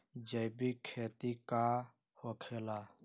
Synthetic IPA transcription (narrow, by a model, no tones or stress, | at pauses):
d͡ʒəjbiːkʰeːt̪iːkaː | hoːkʰeːlaː